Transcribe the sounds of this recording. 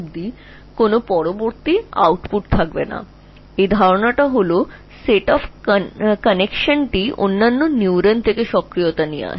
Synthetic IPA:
bd̪i | konopɔɽoboɾt̪ia̰wʈpuʈ̚t̪ʰak̚bena̰ | ed̪ʱaɾoɳaʈaɦolo | seʈɔpʰkənekʃənʈio̰nːanːonjuwɾənt̪ʰekeʃɔkɾijot̪ania̰

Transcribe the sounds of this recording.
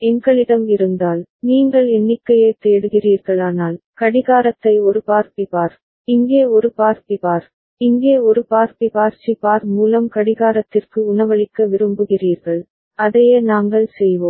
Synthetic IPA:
ɛŋɡɐɭɪɽɐmɪɾɯnd̪aːlniːŋɡɐɭɛnːɪkːɐjɐɪt̪eːɽɯɣɪriːɾɣɐɭaːnaːl | kɐɽɪɣaːɾɐt̪ːɐɪɔɾɯpaːɾt̪ɪpaːɾ | ɪŋɡeːɔɾɯpaːɾt̪ɪpaːɾ | ɪŋɡeːɔɾɯpaːɾtɪpaːɾt͡ʃipaːɾmuːlɐmkɐɽɪɣaːɾɐt̪ːɪrkɯʊnɐʋɐɭɪkːɐʋɪɾɯmbɯɣɪriːɾɣɐɭ | ɐðɐjeːnaːŋɡɐɭsɛjʋoːm

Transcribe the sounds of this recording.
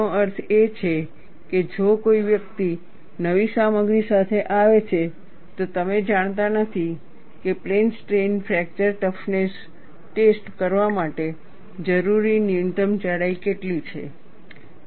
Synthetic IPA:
oəɾt̪ʰet͡ʃʰe | ked͡ʒokoiʋjəkt̪i | nəʋisaməɡɾisat̪ʰeʔaʋet͡ʃʰe | t̪ot̪əmed͡ʒaɳ̃t̪anət̪ʰi | keplensʈɾenfʰɾɛk̚t͡ʃəɾʈəfnes | ʈesʈkəɾʋamaʈe | d͡ʒəɾuɾinijunʈəmt͡ʃəɽaikeʈlit͡ʃʰḛ

